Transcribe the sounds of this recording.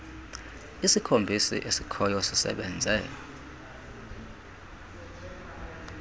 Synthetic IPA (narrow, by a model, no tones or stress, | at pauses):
isikʰombʱisḭʔesikʰɔjɔsisɛ̰ɓɛnd͡zʱɛ̰ːlɔ